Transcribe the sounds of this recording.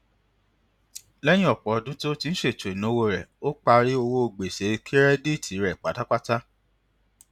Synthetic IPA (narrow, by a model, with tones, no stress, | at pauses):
lɛ˦j̃ĩ˦ɔ˦˨k͡pɔ˨ɔ˧dũ˦to˦ti˧ñ̩˦ʃe˦˨tnũ˨o˧wo˧ɾɛ˨o˦k͡pa˧ɾi˦o˧wo˦o˧ɡ͡be˨se˨˦˧kʰi˦ɾɛ˦di˦˨tʰi˨˦ɾɛ˨k͡pa˨˦ta˦k͡pa˦ta˦